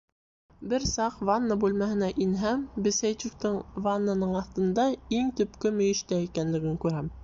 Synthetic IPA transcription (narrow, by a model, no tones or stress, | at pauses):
bɘɾsɑqvanːabʉlmæhɘ̆næʔinɦæmbɘ̆sæjt͡ɕukt̪ɤɴvanːanɤɴɑθt̪ɤ̆nd̪ɑiŋt̪ɵ̆pkɵmɵ̆jɘ̆ʃt̪æikænlɘ̆ɡɘŋkʉɾæm